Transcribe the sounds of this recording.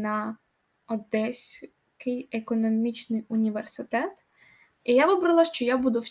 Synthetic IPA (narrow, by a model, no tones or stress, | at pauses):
nɐ | ɔd̪ɛsʲ | kɪjekɔnɔmʲit͡ʃnɪjʊnʲiʋersɪt̪ɛt̪ | ijaʋɪbɾɐlˠɐʃt͡ʃɔjabud̪ʊw